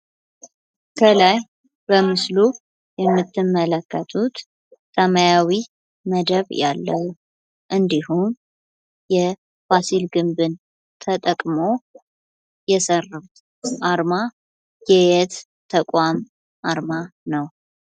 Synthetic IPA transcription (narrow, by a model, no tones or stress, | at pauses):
kʰəlaj | bəmɨslu | jɛmːɨt̪ʰːɨmːələkːət̪ʰut̪ | sʼəməjawi | məd̪əβjalːəw | ʔɨnd̪ihum | jɛ | basilɡɨmbɨn | t̪ʰət̪ʼəkʼmo̞ | jɛsərːɨft̪ | ʔaɾma | jɛjet̪ | t̪ʰːəkʼwam | ʔaɾmanəw